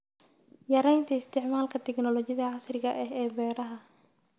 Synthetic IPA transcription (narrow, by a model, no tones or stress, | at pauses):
jɐɾɛjnt̪ʰɐɪst̪ʰɪʕmaːlkʰɐt̪ʰɛɡnɔlɔt͡ʃɪðɐʕasrɪɣɐʔɛɦɛːbɛːɾɐɦɐ